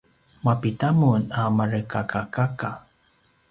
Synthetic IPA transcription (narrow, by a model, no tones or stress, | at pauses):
mapitamunamaɾəkakakaka